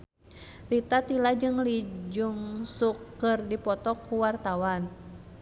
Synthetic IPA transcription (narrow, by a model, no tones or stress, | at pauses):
rit̪at̪ilad͡ʒɨŋlid͡ʒuŋsukːɨrdipɔt̪ɔkːuwart̪awan